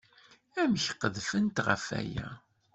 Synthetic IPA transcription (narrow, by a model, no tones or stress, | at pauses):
æmçqːəðfənt̪ʁə̰fæ̰jæ